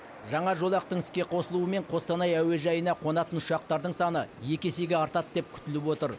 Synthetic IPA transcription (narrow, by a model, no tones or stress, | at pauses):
ʒɑɴɑʒo̞lˠɑqt̪əɴɪskʲe̞qʰo̞səlˠuəme̞ɴqʰo̞st̪ɑnɑjæwe̞ʒɑjənɑqʰo̞nɑt̪ənʊʃʃɑq̚t̪ɑɾd̪əɴsɑnəje̞kʲe̞se̞ɡʲeɑɾt̪ɑt̪̚d̪e̞p̚kʲʰʏ̥t̪ɪlɪpwo̞t̪əɾ